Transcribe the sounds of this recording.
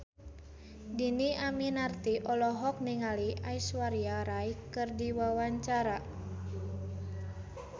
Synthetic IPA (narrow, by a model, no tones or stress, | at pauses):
diniaminart̪iʔɔlɔɦɔk̚niŋaliaiswaɾiaɾajkɨrdiwawaɲt͡ʃaɾa